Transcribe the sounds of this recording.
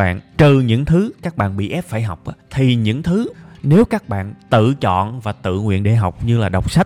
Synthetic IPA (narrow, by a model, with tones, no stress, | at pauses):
a̰ː˧˨nt͡ɕ̪ɨ˨˩ɲɨ̰˧˥ŋt̪ʰɨ˨˦kaː˦˥k̚ɓa̰ː˧˨nɓḭ˧˨ʔɛ˦˥p̚faː˧˩jɦa˨˩wk͡p̚ʔaː˨˦t̪ʰi˨˩ɲɨ̰˧˥ŋt̪ʰɨ˨˦ne˨˦wkaː˦˥k̚ɓa̰ː˧˨nt̪ɨ̰˧˨t͡ɕɔ̰˧˨nvaː˨˩t̪ɨ̰˧˨ŋwḭ˧˨ənɗḛ˧˩ɦa˨˩wk͡p̚ɲɨ˧laː˨˩ɗə˨˩wk͡p̚sa˦˥t̚